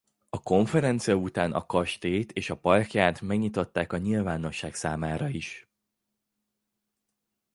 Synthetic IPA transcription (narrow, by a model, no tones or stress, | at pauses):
ɒko̞ɱfɛɾɛnt̪sijɒut̪aːnʔɒ̰kɒʃt̪eːt̪eːʃɒpɒrkjaːt̪mɛɡɲit̪o̞t̪ːaːkɒɲilvaːno̞ʃːaːksaːmaːɾɒiʃ